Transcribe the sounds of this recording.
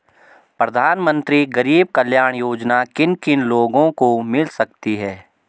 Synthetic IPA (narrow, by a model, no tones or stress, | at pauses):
pɾɐd̪ʱaːnmə̃nt̪ɾiɡɐɾiːb̚kɐljaːɽ̃joːd͡ʒnakɪnkɪnloːɡõkomɪlsɐk̚t̪iɦɛː